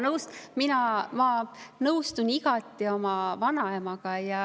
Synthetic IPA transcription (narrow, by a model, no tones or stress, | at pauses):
nɤwst̪minɑmɑnɤwst̪uniɡ̥ɑt̪ːˑio̞mɑvɑnɑemɑɡ̥ɑjɑ